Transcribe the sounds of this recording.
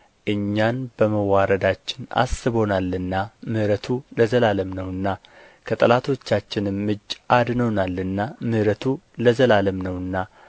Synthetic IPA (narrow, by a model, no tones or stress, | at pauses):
ʔɨɲːanbəməwːaɾəd̪at͡ʃːɪna̰sːɨβo̞nalɨnːamɨhɾət̪ʰuləzəlaləmnəwɨnːa | kʰət̪ʼəlat̪ʰo̞t͡ʃːat͡ʃːɪnɨmːɨd͡ʒʔad̪nəwnalːɨnːamɨhɾət̪ʰuləzəlaləmnəwɨnːa